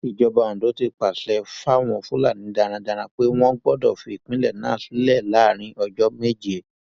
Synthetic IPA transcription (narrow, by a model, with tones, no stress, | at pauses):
i˨d͡ʒɔ˧ba˧˨ã˨do˨˦ti˧k͡pa˨ɬɛ˧fa˦w̃ɔ̃˧fũ˦la˦˨nĩ˨˦da˧ɾ̃ã˧da˧ɾ̃ã˧k͡pe˦w̃ɔ̃˦ɡ͡bɔ˦dɔ˦˨fi˧˨i˨k͡pĩ˦lɛ˦˨nã̰ː˦˨si˨˦lɛ˦˨la˨˦˨ɾ̃ĩ˧ʔɔ˧d͡ʒɔ˦me˦d͡ʒi˦e˨